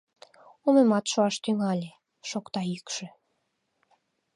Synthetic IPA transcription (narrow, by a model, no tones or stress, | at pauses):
omemɑt̪ʃoɑʃt̪yŋɑlʲe | ʃokt̪ɑykʃĕ